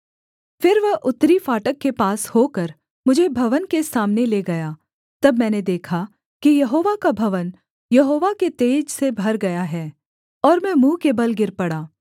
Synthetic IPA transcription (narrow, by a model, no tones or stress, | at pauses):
fɪɾʋɐɦʔʊt̪ːɾifaːʈəkːepaːshokɐɾ | mʊd͡ʒʱebʱɐʋənkesaːmneleɡɐjaː | t̪ɐbmɛ̃ːned̪eːkʰa | kijɐɦoːʋakabʱɐʋən | jɐɦoːʋaket̪eːd͡ʒsebʱɐɾɡɐjaɦɛː | ɔːɾmɛ̃mũːkebɐlɡɪɾpɐɽaː